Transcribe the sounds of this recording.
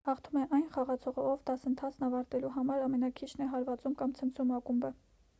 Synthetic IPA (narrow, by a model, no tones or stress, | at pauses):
hɑχt̪ʰumɛʔɑjnχɑʁɑt͡sʰɔʁəɔvd̪ɑsənt̪ʰɑt͡sʰnɑvɑɾt̪ɛluɦɑmɑɾɑmɛnɑkʰit͡ʃʰnɛɦɑɾvɑt͡sumkɑmt͡sʰənt͡sʰumɑkumbə